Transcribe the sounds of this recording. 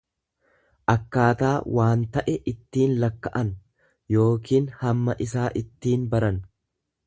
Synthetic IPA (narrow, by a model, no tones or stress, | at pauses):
ʔɐkːaːt̪aːwʔaːnt̪ɐʔɛʔɪt̪ːiːnlɐkːɐʔɐn | jo̞ːkiːnhɐmːɐʔɪsaːʔɪt̪ːiːnbɐɾɐn